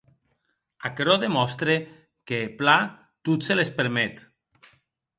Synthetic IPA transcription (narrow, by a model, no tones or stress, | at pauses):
akɾɔðemɔst̪ɾe | kepla | t̪ut̪selespeɾmɛt̪